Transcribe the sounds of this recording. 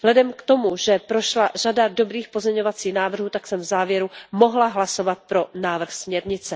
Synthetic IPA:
zɦlɛdɛmkt̪o̞muʒɛpɾo̞ʃlaʒ̥adado̞bɾiːxpo̞zɲɛɲo̞vat͡siːxnaːvr̩ɦuːt̪aksɛmvzaːvjɛɾumo̞ɦlaɦlaso̞vat̪̚pɾo̞naːvr̩xsmɲɛɾɲɪt͡sɛ

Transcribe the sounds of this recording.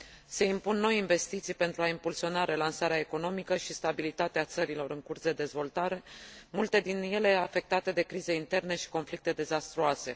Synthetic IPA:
se̞impunːo̞jiɱve̞st̪it̪sijpe̞nt̪ɾuaimpulsio̞naɾe̞lansaɾeaeko̞no̞mikəʃist̪abilit̪at̪eat̪səɾilo̞ɾɨŋkursd̪e̞d̪e̞zvo̞lt̪aɾe̞mult̪e̞d̪inje̞le̞afe̞k̚t̪at̪e̞d̪e̞kɾize̞int̪e̞rne̞ʃi̥ko̞nflik̚t̪e̞d̪e̞zast̪ɾuase̞

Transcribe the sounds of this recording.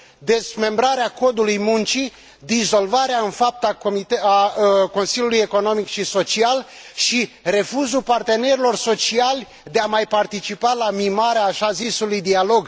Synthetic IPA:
d̪e̞zme̞mbɾaɾeako̞d̪ulujmunt͡ʃi | d̪izo̞lvaɾeaɨnfap̚t̪akomit̪ako̞nsilʲjuluje̞ko̞no̞mikʃiso̞t͡ʃial | ʃire̞fuzupart̪e̞ne̞ɾilo̞rso̞t͡ʃialʲ | d̪e̞amajpart̪it͡ʃipalamimaɾeaːʃazisulujd̪ialo̞ɡ

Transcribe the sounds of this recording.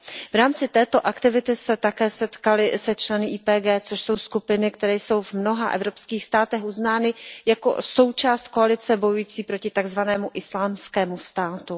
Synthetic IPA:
vɾaːmt͡sɪt̪ɛːt̪o̞ʔakt̪ɪvɪt̪ɪsɛt̪akɛːsɛt̪kalɪsɛt͡ʃlɛnɪʔiːpɛːɡɛːt͡so̞ʃso̞wskupɪnɪkt̪ɛɾɛːjso̞wvmno̞ɦaʔɛ̰vɾo̞pskiːxst̪aːt̪ɛxʔuznaːnɪjako̰so̞wt͡ʃaːst̪̚ko̞alɪt͡sɛbo̞jujiːt͡siːpɾo̞cɪt̪aɡzvanɛːmuʔɪslaːmskɛːmust̪aːt̪u

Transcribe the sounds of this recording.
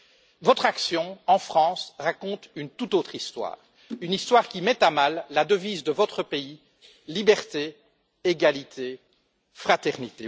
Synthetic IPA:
vɔt̪χaksjɔ̃ɑ̃fχɑ̃sʁakɔ̃t̪ynt̪ut̪ot̪χist̪wa̰ːʁ | ynist̪waːʁkʲimɛt̪amalːad̪əviːzd̪əvɔt̪χəpei | libɛʁt̪e | eɡalit̪ʰe | fχat̪ɛʁnit̪e

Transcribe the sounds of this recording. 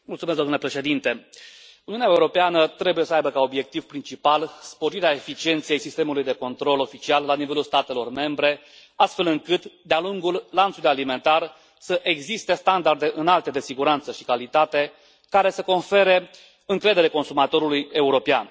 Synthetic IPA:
mult̪sumeszd̪omnlepɾe̞ʃe̞d̪int̪e̞uniunaeuɾo̞peanət̪ɾe̞buje̞səajbəkao̞bje̞k̚t̪iv̥pɾint͡ʃipalspo̞ɾiɾeaefit͡ʃie̞nt̪sijejsist̪e̞mulujd̪e̞ko̞nt̪ɾo̞lo̞fit͡ʃialːanive̞lulst̪at̪e̞lo̞rme̞mbɾe̞ | ast̪fe̞lɨŋkɨt̪d̪ealuŋɡulːant̪sulujalime̞nt̪ar | səʔeɡzist̪e̞st̪and̪ard̪e̞ʔɨnalt̪e̞d̪e̞siɡuɾant̪səʃi̥kalit̪at̪e̞ | kaɾe̞seko̞nfe̞ɾe̞ | ɨŋkɾe̞d̪ele̞ko̞nsumat̪o̞ɾuluje̞uɾo̞pea̰n

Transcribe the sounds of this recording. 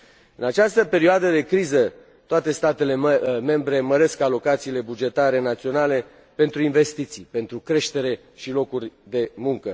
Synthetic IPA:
ɨnat͡ʃast̪əpe̞ɾioad̪əd̪e̞kɾizə | t̪oat̪e̞st̪at̪e̞le̞me̞mbɾe̞məɾe̞skalo̞kat̪siːle̞bud͡ʒe̞t̪aɾe̞nat̪sio̞nale̞ | pe̞nt̪ɾuinve̞st̪it̪sipe̞nt̪ɾukɾe̞ʃt̪e̞ɾe̞ | ʃilo̞kurʲd̪e̞muŋkə

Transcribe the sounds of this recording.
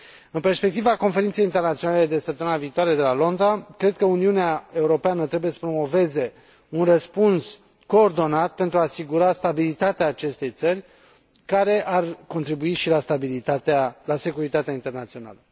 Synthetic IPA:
ɨnperspe̞k̚t̪ivako̞nfe̞ɾint̪sejint̪ernat̪sionale̞d̪e̞səp̚t̪əmɨnaviːt̪oaɾe̞d̪e̞lalo̞nd̪ɾakɾe̞d̪̚kəuniuneae̞uɾo̞peanət̪ɾe̞buje̞sə̥pɾo̞mo̞ve̞ze̞ | unrəspuns | ko̞ːrd̪o̞nat̪̚pe̞nt̪ɾuaːsiɡuɾast̪abilit̪at̪eaːt͡ʃe̞st̪e̞jt̪sərʲ | kaɾe̞ʔarko̞nt̪ɾibuiʃilast̪abilit̪at̪ealase̞kuɾit̪at̪eaint̪e̞rnat̪sio̞na̰lə

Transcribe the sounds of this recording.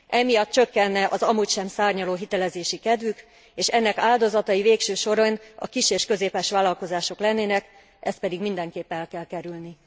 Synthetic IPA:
ʔɛmijɒt̪̚t͡ʃø̞kːɛnːɛʔɒzɒmucʃɛmsaːrɲɒloːɦit̪ɛlɛzeːʃikɛd̪ʋyk | eːʃɛnːɛkaːld̪o̞zɒt̪ɒjiveːkʃøːʃo̞ɾonɒ̰kiʃeːʃkø̞zeːpɛːʃʋaːlɒlko̞zaːʃo̞klɛnːeːnɛk | ʔɛst̪pɛd̪iɡmind̪ɛŋkeːpːɛɛlkɛlkɛɾylni

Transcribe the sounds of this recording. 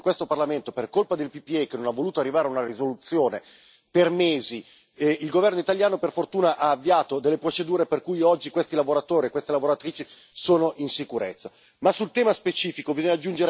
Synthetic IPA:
ŋkwest̪oparlament̪operkolpad̪elpipiekːenonavːoluːt̪oarːivaːɾeaunarizolut̪sːjoːne | permeːzi | ilɡovɛrnoit̪aljaːnoperfort̪uːnaʔaːvːiaːt̪od̪elːepɾot͡ʃed̪uːɾeperkujɔd͡ʒːikwest̪ilavoɾat̪oːɾiekwest̪elavoɾat̪ɾiːt͡ʃi | soːnoʔinsikuɾet̪sːa | masult̪ɛːmaspet͡ʃiːfikovizɔɲad͡ʒːund͡ʒeɾ

